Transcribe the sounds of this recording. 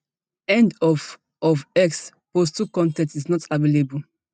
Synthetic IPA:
ɛ̃ndɔv | ɔvɛks | postukɔ̃ntɛ̃ntiznɔtavelebul

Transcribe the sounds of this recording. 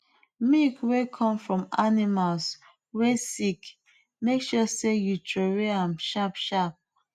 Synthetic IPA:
mikwekʰɔ̃mfɹɔ̃manimals | wesik | mekʃɔsejutʰɹoɹeãmʃapʃap̚

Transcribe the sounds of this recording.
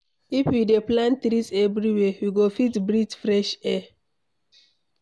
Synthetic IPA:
ifwideplãntɾisɛvɾiwɛwiɡofitbɾitfɾɛʃɛ

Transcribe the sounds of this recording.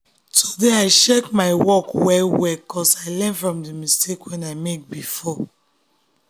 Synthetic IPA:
tʰudeaɪʃekmaɪwɔkwɛlwɛkʰɔsaɪlɛ̃nfɹɔ̃mdəmistekwɛ̃naɪmek̚bifɔ

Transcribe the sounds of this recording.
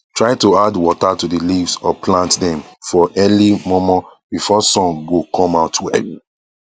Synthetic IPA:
tɹaɪtuadwɔtatudilivsɔ̰plãntdɛ̃mfɔʔɛlimɔmãbifɔsɔ̃ŋɡokʰɔ̃maʊtuɛ̰ɡ

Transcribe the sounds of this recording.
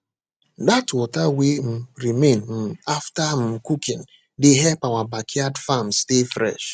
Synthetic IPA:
datwɔtawem̩ɾimenm̩aftam̩kukĩn | deɦɛpawabakʰiadfamstefɾɛ̰ʃ

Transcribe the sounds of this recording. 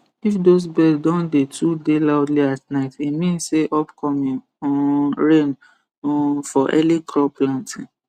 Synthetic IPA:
ifdos̬bɛddɔ̃ndetʰudelaʊdliatnaɪtimĩnseʔɔpkʰɔmĩŋ | ɔɹẽn | fɔʔɛ̰likɹɔplãntʰĩn

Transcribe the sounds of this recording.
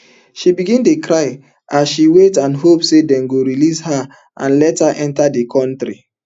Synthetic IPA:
ʃibiɡĩntukɾaɪ | asʃiwetãnɦopsedɛ̃nɡoɾilisha | ʔãnlɛthaʔɛ̃ntadekʰɔ̃ntɾi

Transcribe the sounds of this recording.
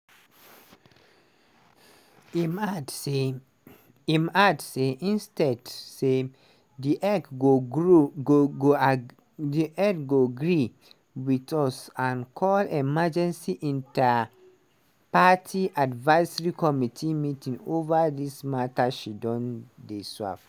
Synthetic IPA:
m | imadseʔĩnstɛdse | diʔɛo | ɡo | diʔɛdɡoɡɹi | witɔsãnkʰɔlemad͡ʒɛ̃nsiʔĩnta | patʰiʔadvaɪsəɹikɔmitʰimitĩŋovadismataʃidɔ̃ndesa̰f

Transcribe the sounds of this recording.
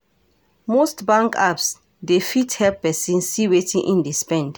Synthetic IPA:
mostbãŋkaps | defithɛlpːɛsĩnssiwetĩŋʔĩndespɛ̃nd̥

